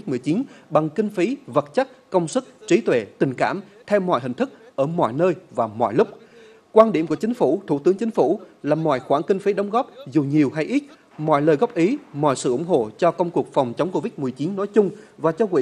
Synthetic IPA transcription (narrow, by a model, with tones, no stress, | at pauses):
t̚mɨ˨˩əjt͡ɕi˨˦nɓa˨˩ŋkï˧ŋ̟fi˨˦və˨˩t̚t͡ɕa˦˥t̚kə˧wŋ͡msɨ˦˥k̚t͡ɕi˨˦t̪we˧˩t̪ï˨˩ŋ̟kaː˧˩mt̪ʰɛ˧wmɔ̰˧˨jɦï˨˩ŋ̟t̪ɨ˦˥k̚ʔəː˧˩mɔ̰˧˨jnəː˧jvaː˨˩mɔ̰˧˨jlʊ˦˥k͡p̚ | kwaː˧nɗi˧˩əmku˧˩t͡ɕï˨˦ŋ̟fu˧˩t̪ʰṵ˧˩t̪ɨ˨˦ŋt͡ɕï˨˦ŋ̟fṵ˧˩laː˨˩mɔ̰˧˨jxwaː˧˩ŋkï˧ŋ̟fi˨˦ɗə˨˦wŋ͡mɣɔ˦˥p̚zu˨˩ɲi˨˩əwɦa˧jʔi˦˥t̚ | mɔ̰˧˨jləː˨˩ɣɔ˦˥p̚ʔi˨˦mɔ̰˧˨jsɨ̰˧˩ʔʊ˧˩ŋ͡mɦo̰˧˨t͡ɕɔ˧kə˧wŋ͡mku˨˩ək̚fa˨˩wŋ͡mt͡ɕə˨˦wŋ͡mko˧vi˦˥t̚mɨ˨˩əjt͡ɕi˨˦nːɔ˨˦jt͡ɕʊ˧ŋ͡mvaː˨˩t͡ɕɔ˧kwḭ˧˨